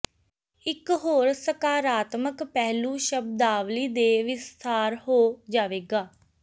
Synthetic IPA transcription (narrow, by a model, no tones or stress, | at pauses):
ɪkɦoːɾsəkaːɾaːt̪məkpɛɦlũːʃəb̚d̪aːʋliːd̪eːʋɪst̪ʰaːɾɦoːd͡ʒaːʋeːɡaː